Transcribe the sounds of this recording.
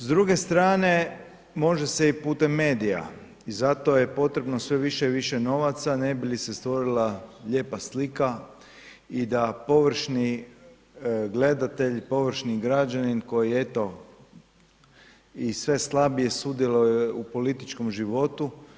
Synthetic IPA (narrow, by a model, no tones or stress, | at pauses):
zd̪ɾuɡe̞st̪ɾaːne̞ | mo̞ʒese̞ipuːt̪e̞mːe̞ːd̪ija̰ | izat̪o̞je̞po̞t̪ɾe̞bnosʋe̞ʋiʃeʋiʃeno̞ʋat̪sane̞bilise̞st̪ʋo̞ɾilaʎe̞ːpaslika | id̪apo̞ʋr̩ʃni | ɡle̞d̪at̪e̞ʎpo̞ʋɾ̩ʃniɡɾad͡ʒaninko̞jiet̪o̞ | isʋe̞slˠabije̞sud̪jelˠujeupo̞lit̪it͡ʃko̞mʒiʋo̞t̪u